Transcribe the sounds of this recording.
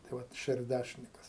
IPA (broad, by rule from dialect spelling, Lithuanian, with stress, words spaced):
tɐɪ ˈʋɐt ʃʲɛrʲˈdʲæʃʲɪnʲɪkɐs